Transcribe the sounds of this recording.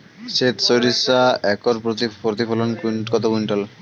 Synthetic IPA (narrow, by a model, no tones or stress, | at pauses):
set̪soɾisaɛkoɾpɾot̪ifɔlonkkɔt̪okuɳʈal